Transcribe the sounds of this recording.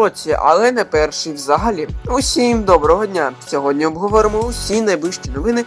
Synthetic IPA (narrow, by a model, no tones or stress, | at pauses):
ɔt͡sʲːiʔɐ̰lˠɛnɛpɛrʃɪjwzɐɦɐlʲiusʲimd̪ɔbɾɔɦɔdʲnʲasʲɔɦɔdʲnʲiɔbɦɔʋɔɾɪmɔʊsʲinɐjblˠɪʃt͡ʃʲinɔʋɪnɪ